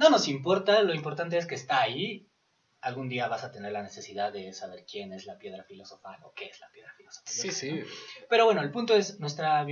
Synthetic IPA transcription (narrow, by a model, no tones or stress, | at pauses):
no̞no̞simpo̞ɾt̪alo̞impoɾt̪ant̪e̞es̬ke̞ːst̪aːi | alɣund̪iaβasat̪e̞ne̞ɾlane̞se̞siðaðːe̞saβ̞e̞ɾkje̞ne̞zlapje̞ðɾafilo̞sofanoke̞ezlapje̞ðɾafilo̞sofḁi | pe̞ɾo̞βwe̞noe̞lpũnt̪o̞e̞snwe̞st̪ɾa